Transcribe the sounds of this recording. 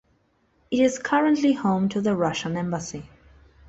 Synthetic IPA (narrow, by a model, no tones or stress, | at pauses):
ɨɾɪz̥kʰʌɹə̃nʔlihõʊ̃mtʰɨðəɹʌʃə̃nɛ̃mbəsi